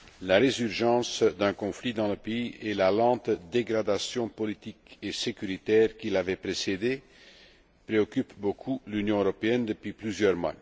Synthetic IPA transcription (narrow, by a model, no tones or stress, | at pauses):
laʁezyʁʒɑ̃sd̪ɛ̃kɔ̃flid̪ɑ̃ləpeielalɑ̃t̪d̪eɡʁad̪asjɔ̃pɔlit̪ikesekyʁit̪ɛːʁkilavɛpʁesed̪e | pʁeɔkypbokʰulynjɔ̃øʁɔpeɛnd̪əpɥiplyzjœʁmwa̰